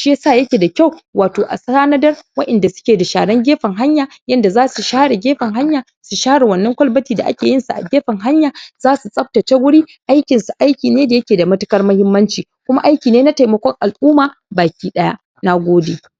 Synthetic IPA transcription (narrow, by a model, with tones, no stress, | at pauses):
ʃsaː˦˨jɐ˦kʲe˨da˨kʲa˦˨wwaː˨toː˨ʔa̰˨sɐ˦aː˦nɐ˦dɐ˦rwɐ˦ʔɛ˨nda˨sʊ̥˦kʲeː˨da˨ʃa̰ː˨ɽɐ˦ŋɡʲeː˦ɸɐ˨ŋɦa˦ɲjaː˨ | jɐ˦nda˨zaː˦su˨ʃaː˦ɽe˨ɡʲeː˦ɸɐ˨ŋɦa˦ɲjaː˨ | su˨ʃaː˦ɽe˨wɐ˨nːɐ˦ŋkʷɐ˦lbɐ˦tiː˨da̰˨ʔa̰˦kʲeː˨jɪ˦nsu˨ʔa̰˨ɡʲeː˦ɸɐ˨ŋɦa˦ɲjaː˨z̥aː˦su˨sʼɐ˦ɸ̚ta˨ta˦ɡʷʊ˦ɽiː˦ʔa˦jkʲɪ˨nsu˨ʔa˦jkʲiː˨neː˦da˨jɐ˦kʲeː˨da˨mɐ˦tʊ˦kɐ˦rmɐ˦hɪ˦mːɐ˦nt͡ʃiː˨ | kʷʊ˦ma˦ʔa˦jkʲiː˨neː˦na˦ta˨jmɐ˦kʷɔ˦ŋʔa˨lʔuː˦maː˨baː˨kʲiː˦ɗɐ˦ja̰˦ | na˦ɡʷoː˦deː˨